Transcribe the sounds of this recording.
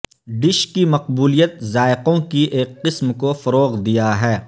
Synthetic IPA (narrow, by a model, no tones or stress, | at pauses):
ɖɪʃkimɐq̚buːlijət̪zaːɪqõkiʔeːkːɪsmkofɐɾoːɣd̪ijaɦɛː